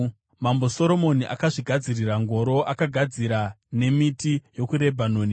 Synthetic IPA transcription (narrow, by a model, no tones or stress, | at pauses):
mambo̞so̞ɾo̞mo̞niʔa̰kaʐiɡʱad͡ziriraŋɡo̞ɾo̞ʔakaɡʱad͡ziɾa | ne̞mitijo̞kuɾe̞bʱanoːni